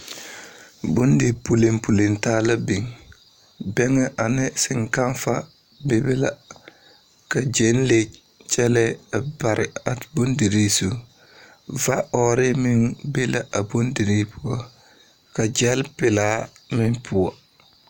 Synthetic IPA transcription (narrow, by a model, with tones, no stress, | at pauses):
bo˦n˦di˨pu˨le˨mpu˨le˨nta˦la˦bi˨ŋ | bɛ˦ŋɛ˦ʔa˨nɪ˦sɪ˨ŋka˦nfa˦ | be˦be˦la˨ | ka˨d͡ʒɛ˨˦n˦le˨ | t͡ʃɛ˦lɛ˦a˨ba˨ɾɪ˨a˨bo˦ndi˨ɾe˦su˨ | va˦ɔ˨ɾɪ˦mɪ˦nbe˦la˦ʔa˨bo˦ndi˨ɾi˦pʊ˦ɔ˦ | ka˨d͡ʒɛ˦lpɪ˨laː˨˦mɪ˦npʰʊ˨ɔ˨